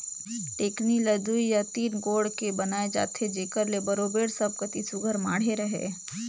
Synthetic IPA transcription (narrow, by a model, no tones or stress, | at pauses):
ʈeːkniləd̪uijat̪iːnɡoːɽkebɐnaːed͡ʒa̰ːt̪ʰed͡ʒeːkəɾlebɐɾoːbeːɽsəb̚kɐt̪isʊɡʱəɾmaːɽ̤eɾɐɦḛː